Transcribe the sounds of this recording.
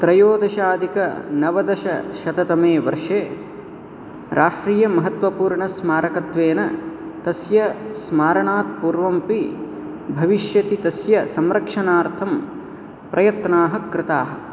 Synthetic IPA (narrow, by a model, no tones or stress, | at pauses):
t̪ɾɐjoːd̪ɐʃaːd̪ʱikɐnɐʋɐd̪ɐʃɐ̰ʃɐt̪ɐt̪ɐmeːʋɐ̰ɾʂeː | ɾʔaːʂʈɾiːjɐmɐɦɐt̪ʋɐpuːɾɳɐsmaːɾɐkɐt̪ʋeːnɐt̪ɐsjɐsmaːɾɐɳaːt̪̚puːɾʋɐmpi | bʱɐʋiʃjɐt̪it̪ɐsjɐsɐmɾɐkʂɐnaːɾt̪ʰɐm | pɾʔɐjɐt̪naːɦɐkɾɪt̪aːɦɐ̆